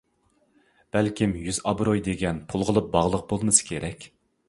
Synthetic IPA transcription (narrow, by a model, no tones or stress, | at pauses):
b̥ɛlkʲimjyzɑbɾojd̪eɡʲɛnpʰulˠʁəlˠɨp̚bɑʁlˠəq̚bolˠmɨsɨ̥kʲʰeɾɛkʲ